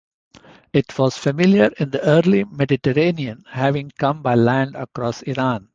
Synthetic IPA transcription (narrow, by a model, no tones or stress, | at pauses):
ɪʈʰʋɔːz̥fəmɪljəɾɪ̃nd̪əəːɾlimɛɖɪʈəɾẽːniə̃nhæʋɪ̃ŋkʌ̃mbaɪlæ̃ɳɖəkɾɔːsiɾãːn